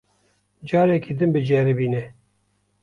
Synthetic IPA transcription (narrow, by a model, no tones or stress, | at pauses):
d͡ʒɑːɾɛkid̪ɨmbɨd͡ʒɛɾɨbiːnɛ